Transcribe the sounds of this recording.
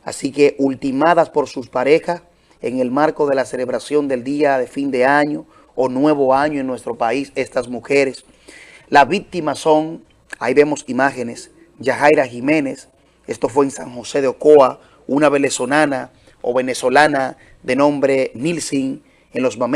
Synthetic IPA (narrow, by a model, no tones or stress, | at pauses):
a̰sike̞ʔult̪imaðaspo̞ɾsuspaɾe̞xas | eŋe̞lmaɾko̞ðe̞lase̞le̞βɾasjo̞nd̪e̞ld̪iaðe̞find̪e̞aɲoː | nwe̞βo̞aɲoenwe̞st̪ɾo̞paise̞st̪asmuxe̞ɾes | laβik̚t̪imaso̞ŋ | aiβe̞mo̞simaxenes | d͡ʒaxajɾaximẽ̞nes | est̪o̞fweːŋsaŋxo̞se̞ðeokoa | unaβe̞le̞so̞lana | o̰βe̞neso̞lana | ðe̞nõ̞mbɾe̞nilsiŋ | enlo̞smam